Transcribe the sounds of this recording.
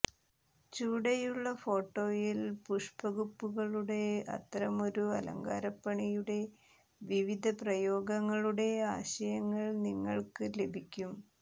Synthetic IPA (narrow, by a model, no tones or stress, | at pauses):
t͡ɕuːɽɐjuɭːɐfo̞ːʈːo̞ːjilpuʂpɐɣupːuɣɐɭuɽe̞ɐ̰t̪ːɾɐmo̞ɾuɐlɐ̰ŋɡa̰ːɾɐpːɐɳijuɽe̞ | ʋiʋid̪ʱɐprɐjo̞ːɡɐŋːɐɭuɽe̞aːɕɐjɐŋːɐɭniŋːɐɭkɨle̞bʱikʲːum